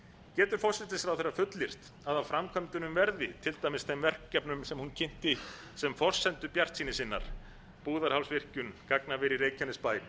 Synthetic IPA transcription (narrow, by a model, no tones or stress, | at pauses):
cɛːt̪ʏɾ̥fɔr̥sɪt̪ɪsfɾawθejɾafʏt̪lɪr̥t̪ | aðawfɾamkʰœmt̪ʏnʏmvɛɾðvɪt̪ʰɪlt̪aːjmɪstθʰɛmvɛr̥kːɛpnʏmsɛmhuncʰɪn̥t̪ɪ | sɛmfɔr̥sɛnt̪ʏpjar̥t̪siːnɪsɪnːa̰ɾ̥ | puːðaɾ̥hawlsvɪr̥cʏnkaknavɛɾiɾeːjcʰanɪspaːj